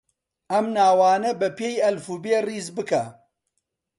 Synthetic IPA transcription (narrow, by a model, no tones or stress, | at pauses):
ɐmnaːwaːnɐbɐpeːjɐlfuːbeːriːzbɨkɐ